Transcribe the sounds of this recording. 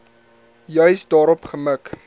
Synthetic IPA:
jœɥsdɑːɾɔpχəmək

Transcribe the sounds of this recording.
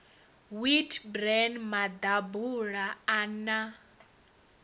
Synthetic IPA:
witʰbɾɛnmad̪abuɺaːna

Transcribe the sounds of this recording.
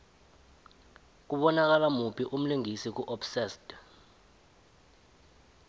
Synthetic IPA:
k̬uɓɔnak̬alamupʰiʔum̩liŋisik̬uʔɔpsɛsd̥

